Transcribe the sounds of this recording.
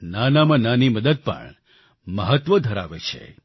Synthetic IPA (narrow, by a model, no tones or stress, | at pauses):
nanamãnaniməd̪əd̪̚pə̰ɳ | məɦət̪ʋəd̪ʱəɾa̰ʋḛt͡ʃʰḛ